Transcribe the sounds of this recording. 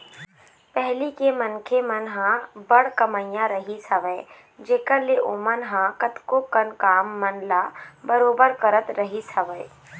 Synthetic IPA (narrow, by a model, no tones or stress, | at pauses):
pɛɦlikemɐnkʰemɐnɦãbəɽkɐməjjãɾɐɦisɐʋəe | d͡ʒeːkəɾleʔoːmənɦãkɐt̪kokənkaːmːɐnlabɐɾoːbəɾkəɾət̪ɾɐɦisɐʋəe